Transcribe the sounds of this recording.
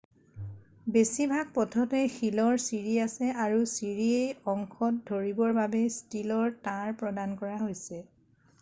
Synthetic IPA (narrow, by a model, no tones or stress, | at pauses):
besibʱaɡ̚pɔtʰɔtɛxilɔɹsiɹiasɛaɹusiɹiejɔŋkʰɔt̚dʱoɹibɔɹbabɛstilɔɹtãɹpɹɔdankɔɹaɦojsɛ